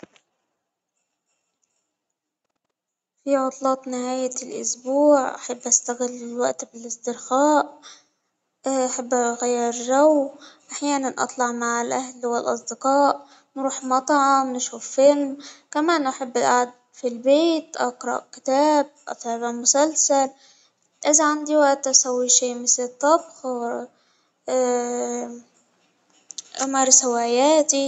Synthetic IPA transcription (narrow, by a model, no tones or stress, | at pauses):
fiʕʊt̪ˤlɑːt̪ˤnɪhaːjɪlʔʊ̰sbuːʕʔa̰ħabːʔast̪aɣɪlːɪwa̰ʔt̪bɪlɪsd̪ɪɾxaːʔ | ʔaħabːʔaɣajːɪɾˤʒawʔaħjaːnanʔɑ̰t̪ˤlɑʕmaʕɪlʔahlwɪlʔɑsˤd̪ɪqɑːʔ | nɾuːħmɑt̪ˤɑʕmnʃuːfːɪlmkamaːnʔaħabːɪlʔaʕad̪̚ | filbeːt̪ʔɑqɾˤɑ̰ʔkɪ̥t̪aːb̚ʔɑ̰t̪ˤːbamʊsalsal | ʔɪzaʕand̪iwaʔt̪ʔasawːiʃiːmɪθlɪt̪ˤːɑbx | ʔamɑːɾˤsawaːjaːt̪i